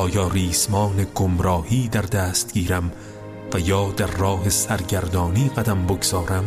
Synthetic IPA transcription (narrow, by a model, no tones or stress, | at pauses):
ʔɒːjɒːɾiːsmɒːneɡomɾɒːhiːd̪æɾd̪æːst̪̚ɡ̥iːɾæm | væjɒːd̪æɾːɒːhesæɾɟæɾd̪ɒːniːɢæd̪æmboɡz̥ɒːɾæm